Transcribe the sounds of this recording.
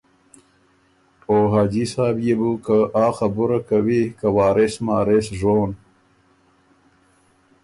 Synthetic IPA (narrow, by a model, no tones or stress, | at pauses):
oːɦaːd͡ʑisaːbjebukaʔaːxɐbuɾakawikawaːɾesmaːɾesʐoːn